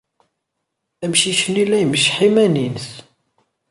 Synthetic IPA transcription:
æmʃiçənilæjəməʃħimæninθ

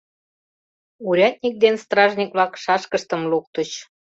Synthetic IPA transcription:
uɾʲɑt̪̚ʲnʲik̚d̪enst̪rɑʒnʲikβlɑkʃɑʃkəʃt̪ə̆mluk̚t̪ət͡ɕ

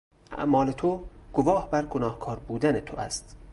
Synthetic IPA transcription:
ʔæ̰ʔmɒːlet̪ʰoɡ̥ovɒːhbæɾɡonɒːhkʰɒːɾbuːd̪ænet̪ʰoʔæst̪

